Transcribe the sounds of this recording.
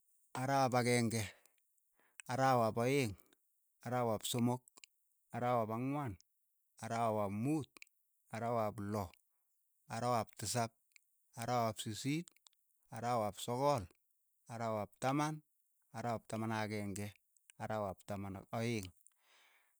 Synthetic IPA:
aɾawapakɛŋɡɛ | aɾawapɔɪŋ | aɾawapsomok̚ | aɾawapaŋwan | aɾawawapmuːt̚ | aɾawaplɔ | aɾawap̚tɪs̬ap̚ | aɾawapsisit̚ | aɾawapsɔkɔl | aɾawap̚taman | aɾawap̚tamanakɛŋɡɛ | aɾawap̚tamanɔjɪŋ

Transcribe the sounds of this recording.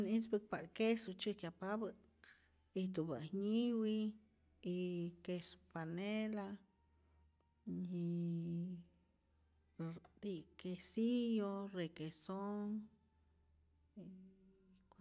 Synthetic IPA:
nit͡sbək̚pakesut͡ʃɨkʲjapabə | it̪ubahɲiwi | ikespanela | ɲi | d̪ikesijorekesoŋ | k

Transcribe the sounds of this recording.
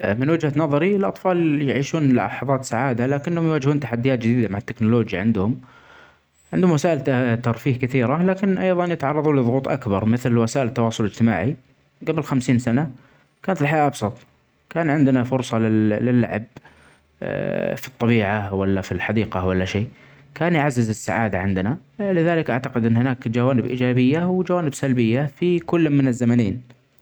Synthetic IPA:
mɪnwɪd͡ʒhanɑðˤɑɾiɪlʔɑt̪ˤfɑːljɪʕiːʃuːnla̰ħɑðˤɑːt̪saʕaːd̪alaːkɪnːhʊmjwaːd͡ʒhuːnt̪aħad̪ːɪjaːt̪̚d͡ʒɪd̪iːd̪amaʕat̪ːɪknʊloːd͡ʒja̰ʕɪnd̪hʊm | ʕɪnd̪hʊmwasaːʔɪlt̪ɑɾˤfiːhkɪθiːɾalaːkɪnʔɑjðˤɑnjɪt̪ʕɑrˤːɑðˤuːnlɪðˤʊɣuːt̪ˤʔakbɑɾˤmɪθlwasaːʔɪlt̪ːɑwɑːsˤʊlɪd͡ʒt̪ɪma̰ːʕi | ɡabɪlxamsiːnsana | kaːnat̪ɪlħajaːʔɑbsˤɑt̪ˤ | kaːnʕɪnd̪nafʊɾsˤɑlɪlɪlːa̰ʕb̚ | fi̥t̪ˤːɑbiːʕawalːafilħad̪iːqɑwalːaʃeː | kaːnjʕazːɪzɪsːa̰ʕa̰ːd̪aʕɪnd̪na | lɪðaːlɪkʔaʕt̪aqɪd̪ʔɪnːhɪnaːkd͡ʒawaːnɪbʔḭːd͡ʒaːbɪjːawɪd͡ʒawaːnɪbsalbɪjːafikʊlːmːɪnɪzːamanḛːn

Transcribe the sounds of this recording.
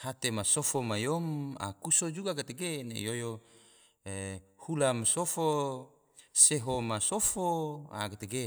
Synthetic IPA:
hat̪emasofomajoma̰kusod͡ʒuɡakat̪eɡenḛjojo | ehulamasofo | seɦomasofoa̰kat̪eɡe

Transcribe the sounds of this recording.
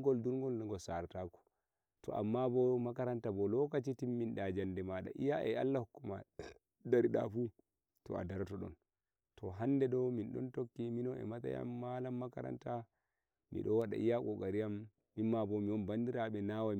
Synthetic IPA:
ɡɔlduɾŋɡɔlnaɡɔsaɾtakɔ̥ | tɔ̰ʔa̰mːabɔmakaɾantabɔlɔkat͡ʃitimːinɗad͡ʒandɛmaɗa̰ʔijaʔɛa̰lːahukːuma̰ | daɾiɗa̰fu | tɔ̰a̰daɾtɔɗɔ̰n | tɔɦandɛdɔwminɗɔ̰ntokːiminɔɛ̰mata̰ja̰mːalamːakaɾa̰nta | mḭɗɔwaɗa̰ʔijakɔɡaɾijamː | imːabɔmiɔnbandiɾaɓɛnawa

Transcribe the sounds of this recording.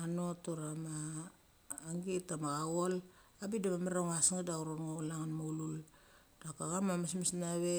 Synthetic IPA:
anotoɾamaː | ŋɡetamaɣaɣol | abidamameɾaŋasŋadauɾonŋolaŋanmoulul | d̥akaɡamamasmisnaβe

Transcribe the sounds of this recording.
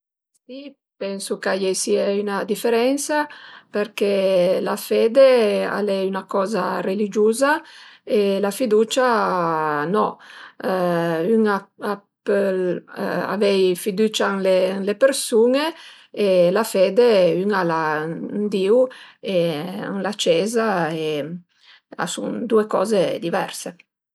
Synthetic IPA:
si | pɛnsukajejsiaynad̪ifeɾɛnsapeɾkelafeːd̪ea̰lɛynakɔːzarelid͡ʒuːzaelafid̪ut͡ʃa | nɔ | yŋaapela̰vɛjfid̪uːt͡ʃaŋlelepeɾsuːŋe | elafeːd̪eyŋaland̪iːwea̰ŋlat͡ʃɛːzae | a̰sṵnd̪uekɔ̰ːzed̪ivɛɾse

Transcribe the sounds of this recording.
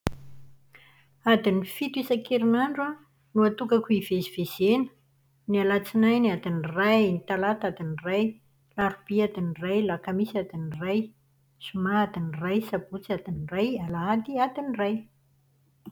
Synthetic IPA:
ad̪inifit̪isakʰeɾinaɳɖ͡ʐa | nuat̪ukakʲuiveziv̥ez̥enə̥ | nialat͡sinajniad̪inirajnit̪alat̪ad̪iniraj | laɾub̥iad̪inirajlakamisad̪iniraj | sumaad̪inirajsabut͡siad̪inirajalaad̪iad̪iniraj

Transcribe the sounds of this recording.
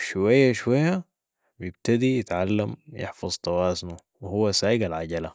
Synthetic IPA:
ʃwajːaʃwajːa | bijɪb̚t̪ad̪ijɪt̪ʕalːamjɪ̰ħfɑzˤt̪ˤɑwaːznu | wɪhuwːasaːʔɪɡalʕaɟala

